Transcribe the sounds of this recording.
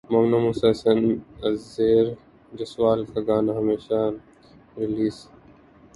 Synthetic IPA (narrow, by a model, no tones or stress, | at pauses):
moːmnaːmusasənɐzeːɾ | d͡ʒɐswaːlkʰɐɡaːnaɦɐmeːʃa | ɾɪliːs